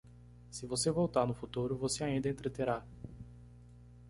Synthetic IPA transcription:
sɪvosevowt̪aɾnʊfut̪uɾʊvoseaĩd̪ɐẽnt̪ɾet̪eɾa

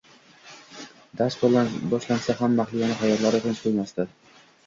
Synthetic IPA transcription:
d̪asbɒʃlansaɦamːaχlɪjanɪχajɒɾlaɾɪt̪ʰent͡ʃqʰojmast̪a

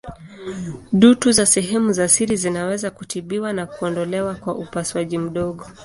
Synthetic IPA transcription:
ɗutuzasɛɦɛmuzasiɾizinawɛzakutiɓiwanakuɔndɔlɛwakwaʔupaswaʄim̩ɗɔɠɔ

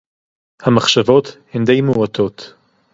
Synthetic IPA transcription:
hamaχʃavo̞t̪hend̪ejmeuat̪o̞t̪

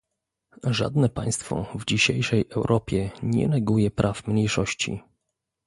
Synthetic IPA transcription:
ʐa̰d̪nɛpa̰j̃st̪fɔ̰vd͡ʑiɕejʂɛjʔɛwɾʔɔpʲjɛɲɛ̰nɛɡujɛpɾʔafmɲejʂɔɕt͡ɕḭ

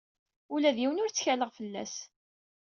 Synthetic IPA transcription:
ulæðiwənʊɾt͡sːçæləʁfəlːæ̰s

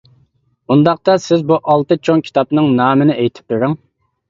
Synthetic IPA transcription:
und̪ɑq̚t̪ɑsɪzbuʔɑlˠt̪ɨt͡ʃʰoŋkʲʰi̥t̪ʰɑpnɨŋnɑːmɨnɪʔejt̪ʰɪ̥p̚beɾɪŋ

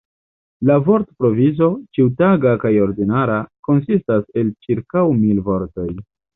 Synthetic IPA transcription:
lavo̞ɾtpɾo̞vizo̞t͡ʃiutaɡakajo̞ɾdinaɾako̞nsistase̞lt͡ʃiɾkawmilvo̞ɾto̞j

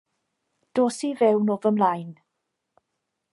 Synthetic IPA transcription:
d̥oːsivɛwnɔvəmlajn

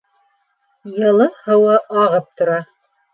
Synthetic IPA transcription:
jɤ̆lˠɤhɤ̆wɤʔɑʁɤp̚t̪ŏɾɑ

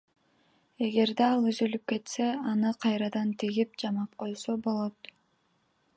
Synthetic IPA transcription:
e̞ɡe̞ɾd̪eɑlˠyzylyp̚ke̞t̪se̞ɑnɯqʰɑjɾɑd̪ɑnt̪ʰiɡip̚d͡ʒɑmɑp̚qʰo̞jsobo̞lˠo̞t̪

